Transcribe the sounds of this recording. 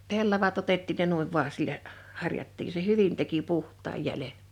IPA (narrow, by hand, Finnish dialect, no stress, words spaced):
pelːɑʋɑt otetːiːn ne nuiʋ ʋuɑ silːæ hɑrjɑtːiː se hyʋin teki puhtˑɑːj jælen̞